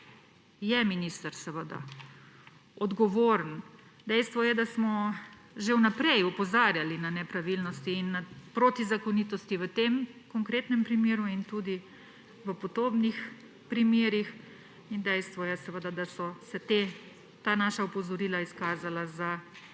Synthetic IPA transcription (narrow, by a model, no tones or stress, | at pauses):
jɛminist̪əɾsəʋəd̪a̰ | ɔd̪ɡɔʋoːɾənd̪ɛjst̪ʋɔjɛd̪asmɔ | ʒewnapɾɛjɔpɔzaːɾjalinanɛpɾaʋilnɔst̪iːnːapɾot̪izakɔniːt̪ɔst̪iʋət̪emkɔŋkɾeːt̪nɛmpɾimeːɾuint̪uːd̪i | ʋəpɔd̪oːbnix | pɾimjeːɾix | ind̪ɛjst̪ʋɔjɛsəʋəd̪ad̪asɔsɛt̪eː | t̪aːnaːʃaopɔzɔɾiːlaiskaːzalaza